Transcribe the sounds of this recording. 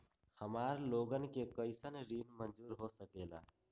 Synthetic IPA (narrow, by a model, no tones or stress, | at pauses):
həmaːɾloːɡənkeːkəɪsənɾiːnmənd͡ʒuːɾɦoːsəkeːla̰ː